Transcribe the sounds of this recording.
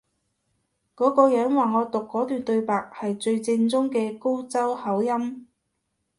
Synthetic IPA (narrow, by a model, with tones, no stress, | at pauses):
kɔː˨˥kɔː˧jœː˨˥ŋwaː˨ŋɔː˨˧t̪ʊ˨kːɔː˨˥t̪yː˨nt̪ɵ˧ɥpaː˨k̚hɐ˨jt͡ʃɵ˧ɥt͡sɪ˧ŋt͡sʊ˥ŋkɛː˧ko˥wt͡sɐ˥whɐ˨˥wjɐ˥m